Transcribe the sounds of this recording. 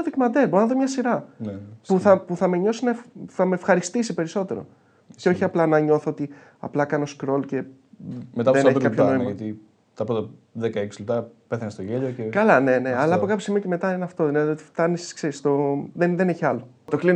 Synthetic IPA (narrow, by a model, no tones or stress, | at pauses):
oðikimɐd̪eɾboɾonɐðomɲɐsiɾɐnpuθɐpuθɐme̞ɲo̞sinɐefθɐme̞ːfxɐɾist̪isipe̞ɾiso̞t̪e̞ɾo̞̰ | ceo̞çiɐplɐnɐɲo̞θoot̪i | ɐ̰plɐkɐno̞skɾo̞lce̞ | met̪ɐeneçt̪kɐpçonoimɐɐt̪i | t̪ɐpɾot̪ɐðekɐeksilept̪ɐpe̞θɐnest̪oʝeʎocekɐlɐne̞ne̞ɐlɐɐpo̞kɐpçosimioceme̞t̪ɐinɐft̪oineðiot̪i̥ft̪ɐniskse̞ɾist̪o̞ðeðeneçiɐlo | t̪oklin